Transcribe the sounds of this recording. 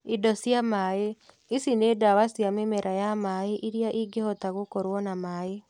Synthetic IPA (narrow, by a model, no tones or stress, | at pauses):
idɔsjamaːe | isinedawasjamemɛɾʔajamaeʔiɾiaʔiɡehɔtaɣokɔɾwɔnamaːe